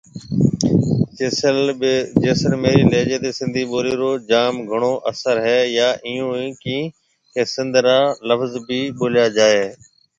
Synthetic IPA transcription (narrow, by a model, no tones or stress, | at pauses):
ld͡ʒeːsəɾmeːɾiːleːd͡ʒeːt̪eːsɪ̃nd̪ʱiːɓoːɾiːɾoːd͡ʒaːmɡʱəɳ̃oːʔəsəɾɦɛːjaːʔɪjõːiːkĩː | keːsɪ̃nd̪ʱɾaːləfzbiːɓoːljaːd͡ʒaːeː